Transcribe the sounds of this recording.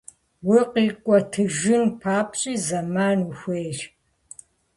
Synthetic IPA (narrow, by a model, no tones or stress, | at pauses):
wʊqiːkʷʼɔtʰɨʒɪnpʰaːpʼɕʼiːzɐmaːnuxʷeːr